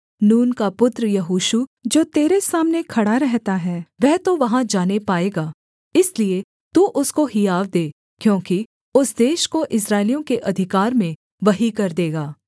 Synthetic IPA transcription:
nuːnkapʊt̪ɾəjɐɦuːʃud͡ʒoːt̪eːɾesaːmnekʰɐɽaɾɛɦt̪aɦɛːʋɛɦt̪oʋɐɦãd͡ʒaːnepaːeːɡaː | ɪslie | t̪uʔʊskoɦijaːʋd̪eː | kjõːki | ʊsd̪eːʃkoʔɪsɾaːɪlijõkeʔɐd̪ʱɪkaːɾmẽ | ʋɐɦikɐɾd̪eːɡaː

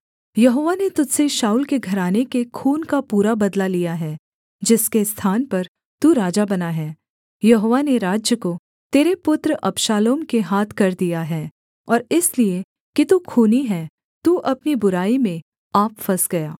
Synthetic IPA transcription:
jɐɦoːʋanet̪ʊd͡ʒseʃaːuːlkeɡʱɐɾaːnekekʰuːnkapuːɾabɐd̪lalijaɦɛː | d͡ʒɪskest̪ʰaːnpɐɾ | t̪uɾaːd͡ʒabɐnaɦɛː | jɐɦoːʋaneɾaːd͡ʒjəko | t̪eːɾepʊt̪ɾʔɐpʃaːloːmkeɦaːt̪ʰkɐɾd̪ijaɦɛː | ɔːɾɪslie | kit̪ukʰuːniɦɛː | t̪uːʔɐpnibʊɾaːimẽ | aːpfɐsɡɐjaː

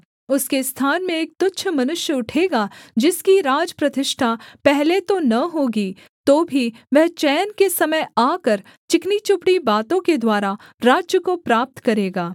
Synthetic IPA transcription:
ʊskest̪ʰaːnmẽeːk̚t̪ʊtːʃʰmɐnʊʃjəʊʈʰeːɡad͡ʒɪskiɾaːd͡ʒpɾɐt̪ɪʃʈʰapɛɦlet̪onɐɦoːɡi | t̪oːbʱiʋɛɦt͡ʃɛːnkesɐməjaːkəɾ | t͡ʃɪknit͡ʃʊpɽibaːt̪õked̪waːɾa | ɾaːd͡ʒjəkopɾaːp̚t̪kɐɾeːɡaː

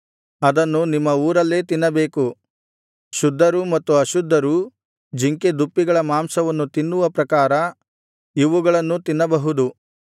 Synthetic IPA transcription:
ɐd̪ɐnːunimːɐuːɾɐlːe̞ːt̪inːɐbeːku | ʃud̪ʱːɐɾumɐt̪ːuɐʃud̪ʱːɐɾu | d͡ʒiŋked̪upːiɡɐɭɐmaːmsɐʋɐnːut̪inːuʋɐpɾɐkaːɾɐ | iʋuɡɐɭɐnːut̪inːɐbɐɦud̪u

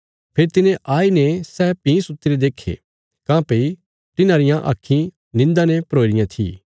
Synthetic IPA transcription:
pʰeːɾt̪ɪnẽʔaːinɛ̃sɛːpĩsʊt̪ːɪɾed̪eːkʰḛ | kãːpei | tɪnãːɾɪjãʔa̰kʰːĩ | nɪ̃nd̪anɛpɐɾoːiɾɪjãt̪ʰḭː

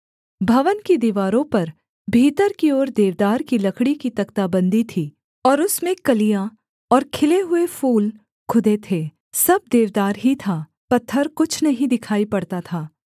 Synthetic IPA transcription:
bʱɐʋənkid̪iːʋaːɾõpɐɾ | bʱiːt̪əɾkiɔːɾd̪eːʋd̪aːɾkilɐkʰɽikit̪ɐkt̪abɐ̃nd̪ʱit̪ʰiː | ɔːɾʊsmẽkɐlija | ɔːɾkʰɪleɦʊefuːl | kʰʊd̪et̪ʰeː | sɐb̚d̪eːʋd̪aːɾɦit̪ʰa | pɐt̪ʰːəɾkʊt͡ʃʰnɐɦĩd̪ɪkʰaːipɐɽt̪at̪ʰaː

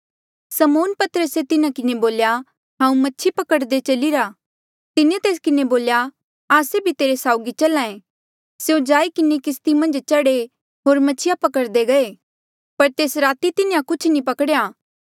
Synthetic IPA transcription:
sɐmoːnpɐt̪əɾəset̪ɪnãkɪneboːlja | ɦãːũmɐtːʃʰipɐkəɽd̪et͡ʃɐliɾa | t̪ɪnet̪eːs̬kɪneboːlja | aːsebʱit̪eːɾesaːʊɡit͡ʃɐlãːẽ | seõd͡ʒaːikɪnekɪst̪imɐ̃nd͡ʒt͡ʃɐɽe | ɦoːɾmɐtːt͡ʃʰijapɐkəɾd̪eɡɐe | pɐɾt̪eːsɾaːt̪it̪ɪnejãkʊt͡ʃʰnipɐkɽjaː

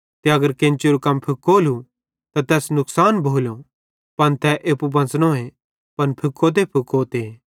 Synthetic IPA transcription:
t̪eɐɡəɾkẽnt͡ʃiɾukɐmpʰɪkoːlu | t̪at̪ɛːsnʊksaːnbʱoːlo | pɐnt̪ʰɛʔeːpubɐ̃nsnõe | pɐnpʰʊkːot̪̬epʰʊkːot̪e

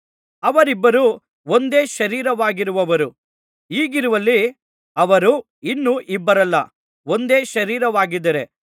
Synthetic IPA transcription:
ɐʋɐɾibːɐɾu | ond̪e̞ːʃɐɾiːɾɐʋaːɡiɾuʋɐʋɐɾu | iːɡiɾuʋɐlːi | ɐʋɐɾu | inːuʔibːɐɾɐlːɐ̰ | o̞nd̪e̞ːʃɐɾiːɾɐʋaːɡid̪ːɐɾe̞

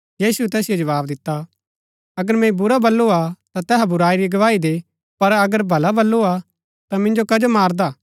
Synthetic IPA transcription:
jiːsuɛt̪ɛːsɪjod͡ʒɐʋaːbd̪ɪt̪ːa | ɐɡəɾmɛ̃ibʊɾabɐlːoat̪at̪ɛːɦabʊɾaːiɾiɡɐʋaːid̪eː | pɐɾɐɡəɾbʱɐlabʱɐlːoa | t̪amɪ̃nd͡ʒokɐd͡ʒomaːɾd̪aː

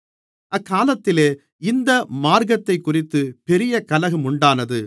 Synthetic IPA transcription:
ʔɐkːaːlɐt̪ːɪleː | ɪnd̪ɐmaːɾɣɐt̪ːɐɪkːʊrɪt̪ːɯpɛɾɪjɐkɐlɐɣɯmʊɳɖaːnɐðɯ

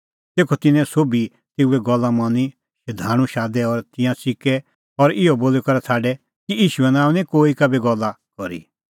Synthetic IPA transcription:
t̪eːkʰɔt̪ɪnɛ̃soːbi | t̪eːuɛɡɔlːamɐni | ʃɐd̪ʱaːɽ̃ũʃaːd̪ɛɔɾt̪ɪ̃jãsɪkɛ | ɔɾɪɔboːlɛkɐɾɛsʰaːɖɛ | kiiːʃuɛnaːũnɛ̃koːikabeɡɔlːa | kɔɾḭ

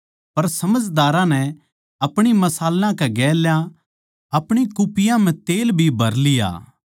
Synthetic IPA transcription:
pɐɾsɐməd͡ʒd̪aːɾãnɛ | ɐpɽ̃imɐsaːlːãkɛɡɛːljã | ɐpɽ̃ikʊpɪjãmɛ̃t̪eːlbʱibʱɐɾlija̰ː

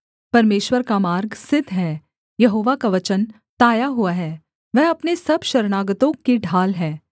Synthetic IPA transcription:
pɐɾmeːʃwəɾkamaːɾɡsɪd̪ʱɦɛː | jɐɦoːʋakaʋɐt͡ʃən | t̪aːjaɦʊaɦɛː | ʋɛɦɐpnesɐbʃɐɾnaːɡət̪õkeɖʱaːlɦɛː

